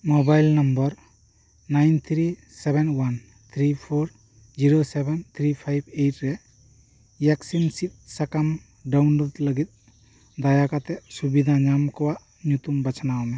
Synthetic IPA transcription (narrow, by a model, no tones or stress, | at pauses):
mobajlnambɔɾ | najnt̪ʰɾi | sɛbɛnwan | t̪ʰɾipʰoɾ | d͡ʒiɾosɛbɛnt̪ʰɾipʰajb̚ejt̚ɾɛ | jaksinsit̪̚sakam | ɖawnlod̪ləɡit̪̚ | d̪ajakat̪ɛʔsubid̪ʱaɲamkɔwaʔ | ɲut̪umbat͡ʃʰanawɔmɛ